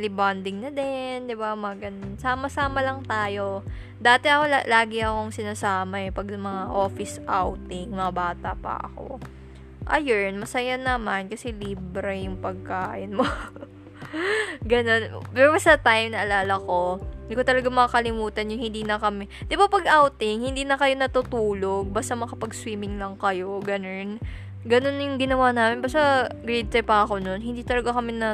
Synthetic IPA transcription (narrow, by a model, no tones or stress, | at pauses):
lɪband̪ɪŋnɐd̪ɛnd̪ɪbamɐɡɐnnsaːmɐsaːmɐlɐŋt̪aːjo̞ | d̪aːt̪ɛʔɐko̞la̰laːɡɪɐko̞ŋsɪnaːsaːmɐɛpɐɡɐmɐŋaʔo̞ːfɪsʔawt̪ɪŋmɐŋabaːt̪ɐ̰pɐ̰ʔɐ̰ko̞̰ | ʔɐ̰jɛnmɐsɐjanɐmankɐsɛliːbɾɛjʊŋpɐɡ̚kaːʔɪnmo | ɡɐno̞npɛɾoɐsd̪ɐt̪ajmnɐʔɐlaːlɐko̞nd̪ɪkot̪ɐlɐɡamɐŋkɐlɪmuːt̪ɐnjʊhɪnd̪iːnɐkɐmɛd̪̥ɪbapɐɡʔawt̪ɪŋhɪnd̪iːnɐkɐjo̞nɐt̪ʊt̪uːlo̞ɡ̚baːst̪amɐkɐpɐɡ̚swiːmɪŋlɐŋkɐjo̞ɡɐno̞n | ɡɐno̞njʊŋɡɪnɐwaːnaːmɪnbast̪aɡɾɛd̪̚t̪ɐjpɐʔɐko̞no̞nɦɪnd̪iːt̪ɐlɐɡakɐmɛnɐ